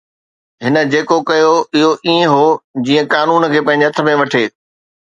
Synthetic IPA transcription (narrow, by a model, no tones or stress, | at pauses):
ɦɪnə̆d͡ʑeːkokɐjoɪɦoʔiːẽɦod͡ʑĩːə̃kaːnuːnkʰeːpɐ̃ɪ̃ɲd͡ʑeɐt̪ʰə̆mẽʋɐʈʰeː